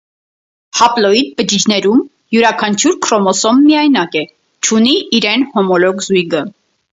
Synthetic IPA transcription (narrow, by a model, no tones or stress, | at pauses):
hɑplɔid̪̚bəd͡ʒid͡ʒʰnɛɾum | juɾɑkʰɑnt͡ʃʰuɾkʰɾɔmɔsɔmːiɑjnɑkɛ | t͡ʃʰuniiɾɛnhɔmɔlɔkzujɡə